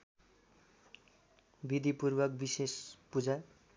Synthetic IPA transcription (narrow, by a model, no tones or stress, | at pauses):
bid̪ipurbʌkbisespud͡za